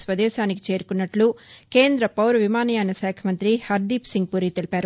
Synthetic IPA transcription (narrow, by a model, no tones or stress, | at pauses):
sʋɐd̪ɛːʃaːniki̥t͡ʃe̞ːɾukunːɐʈluke̞ːnd̪ɾɐpɐwɾɐʋimaːnɐjaːnɐʃɛːkʰɐmɐnt̪ɾihɐɾd̪iːpsiŋɡ̚puːɾit̪e̞lipaːɾu